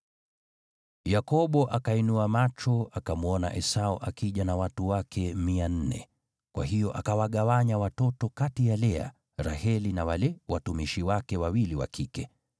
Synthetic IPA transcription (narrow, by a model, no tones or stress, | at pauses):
jakɔɓɔʔakainuamat͡ʃɔakamuɔna̰ʔɛsaɔʔakiʄanawatuwakʰɛmian̩nɛ̰ | kwa̰hijɔʔakawaɠawaɲawatɔtɔkatijalɛa̰ | ɾahɛlinawalɛwatumiʃiwakɛwawiliwa̰kikɛ